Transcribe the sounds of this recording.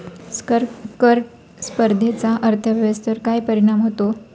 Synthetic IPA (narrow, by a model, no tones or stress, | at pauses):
skəɾkəɾ | spəɾd̪ʱet͡saʔəɾt̪ʰəʋʱjʋəst̪əɾkajpəɾiɽ̃amɦot̪o